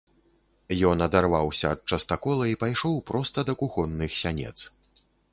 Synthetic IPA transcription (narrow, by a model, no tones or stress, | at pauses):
jɔnɐd̪arvawsʲɐːt̪̚t͡ʂɐst̪akɔlˠɐipajʂɔwpɾɔst̪ɐd̪ɐkuxɔnːɨxsʲanʲɛ̰t̪s